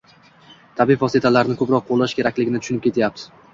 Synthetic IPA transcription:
t̪ʰabifvɒset̪ʰalaɾnɪkʰɵpɾɒq̚ʰːolˠːaʃkʲʰe̞ɾakʲlɪɡʲɪnɪt̪ʊ̥ʃʊnɪp̚kʲet̪ʰajap̚t̪ʰɪ̥

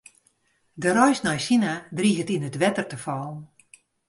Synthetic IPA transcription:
dəɾɔjsnɔjsinadriɦətinətʋɛtərtəfɔlˠn

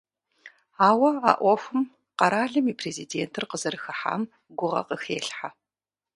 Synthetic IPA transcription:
aːwɐa̰ːʔʷɔfʷɨm | qɐɾaːɮɨmiːpʰreːzideːntʰɨrqəzɐɾɨxɐħa̰ːm | ɡʷʊʁɐ̰qəxeːɬħa

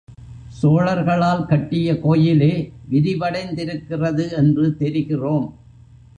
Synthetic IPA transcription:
soːɭɐɾɣɐɭaːlkɐʈːɪjɐkoːjɪleːʋɪɾɪʋɐɽɐɪnd̪ɪɾɯkːɪrɐðɯɛndrɯt̪ɛɾɪɣɪroːm

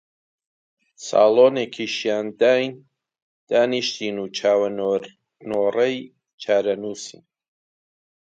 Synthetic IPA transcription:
sa̰ːloːneːkʰiːʃijaːnd̪aːjn | d̪̥aːniʃt̪iːnuːt͡ʃʰaːwɐ | noːrɐj | t͡ʃʰaːɾɐnuːsḭːn

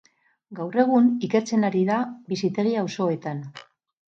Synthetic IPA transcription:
ɡawre̞ɣ̞unike̞ɾt͡se̞naɾiðaβisit̪e̞ɾiawso̞e̞t̪an

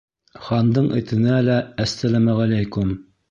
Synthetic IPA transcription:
χɑnd̪ɤɴʔɘ̰̆t̪ɘ̆nælææsːælæmæʁælæjkʊm

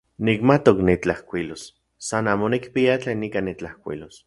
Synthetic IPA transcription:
nikmat̪oknit͡ɬahkʷilos | sanaːmonikpiat͡ɬeːnikanit͡ɬahkʷḭlos

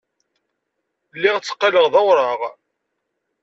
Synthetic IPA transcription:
lːiʁt͡sːə̥qːɑləʁðɑwɾˤɑʁ

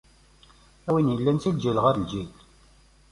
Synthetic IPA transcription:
æwinjəlːænt͡sild͡ʒilʁaɾəld͡ʒil

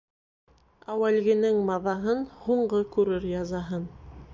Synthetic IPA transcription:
æwælɡɘ̆nɘŋmɑðɑɦɤnhuɴɢɤkʉɾɘɾjɑzɑɦɤn

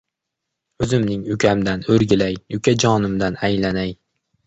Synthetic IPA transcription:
ɵzɪmnɪŋʊkʲʰamd̪anɵɾɡʲɪlajʊkʲʰad͡ʒɒnɪmd̪anajlanaj

